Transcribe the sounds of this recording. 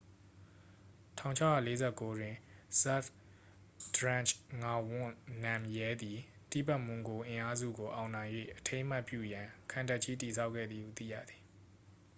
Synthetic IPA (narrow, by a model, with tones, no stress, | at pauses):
tʰã̰˦˨ʊ̃ɲt͡ɕʰa˦˨ja̰˦˨le˦zɛ˦˨ko˦dwɪ̃˨za˦˨f | d̥ɹã˦˨nt͡ʃŋa˦wʊ̃˦˨nã˨mjɛ˦d̪i˨ | t̪ḭ˦˨pa˦˨ʔmʊ̃˨ŋɡo˨ʔɪ̃˨ʔa˦zṵ˦˨ɡo˨ʔa˨ʊ̃nã˨ɪ̃jwḛ˦˨ʔətʰẽ˦ʔm̥a˦ʔpjṵ˦˨jã˨kʰã˨nta˦ʔt͡ɕʰi˦ti˨s̬ʰa˦ʊʔkʰːɛ̰˦˨d̪ði˨hṵ˦˨t̪θḭ˦˨jä̰˦˨d̪ði˨